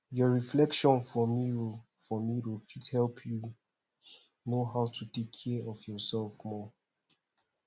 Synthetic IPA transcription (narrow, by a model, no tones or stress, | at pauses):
jɔɹiflɛkʃɔ̃nfɔmifɔmiwifithɛlˠpʰju | noɦaʊtʰutekʰːɛɔvjɔsɛlfmɔ